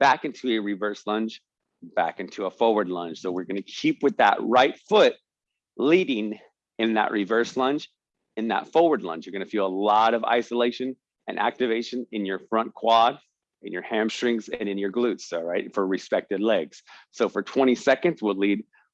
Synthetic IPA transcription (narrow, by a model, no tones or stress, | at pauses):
b̥ækɪ̃ntʰʉɨɹivɜ˞slʌ̃nt͡ʃ | b̥æ̰kɪ̃ntʰuəfɔɹwə˞dˡlʌ̃nt͡ʃsoʊwɨɹɡʌnɨkʰipwɨðə̰ʔ̚ɹaɪtfʊt̚ | liɾɪ̃ŋ | ɨ̃nðə̰ʔɹʔivɜ˞slʌ̃nt͡ʃ | ɨ̃nðə̰tfɔɹwə˞dˡlʌ̰̃nt͡ʃjə˞ɡʌnɨfilˠəlɔɾʌva̰ɪsəleɪʃɨ̃n | ɨ̃nʔæ̰k̚tɨveɪʃɨ̃nɨ̃njə˞fɹʌ̃nkʰw̥ɑɾ | ɨ̃njə˞hæ̃mstɹ̥ɪ̃ŋzɨ̰̃nɨ̃njə˞ɡlʉtsɹaɪtfə˞ɹɨspɛk̚tɨdˡlɛɡz̥soʊfə˞tʰw̥ɛ̃ɾ̃isɛkɨ̃ndzwilid̚